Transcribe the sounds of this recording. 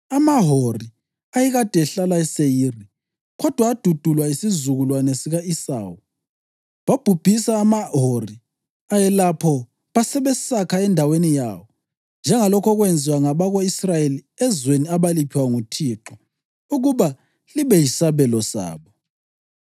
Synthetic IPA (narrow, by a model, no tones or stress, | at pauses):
amaɦori | ajiɣad̥ʱɛɛɬalaɛsejiːri | ɣɔd̥ʱwaːd̥ʱud̥ʱulwaisizuɣulwanesiɣaisa̰ːwu | βab̥ʱub̥ʱisaːmaɦori | ajɛlapʰɔ | βasɛβɛsakʰaɛndʱawenijawɔ | nd͡ʒʱɛŋalɔkʰɔɣwend͡zʱiwaŋaβaɣoisrajeli | ɛzweniaβalipʰiwaŋutʰiːǁɔ | uɣuβa | liβɛjisaβɛlɔsa̰ːβɔ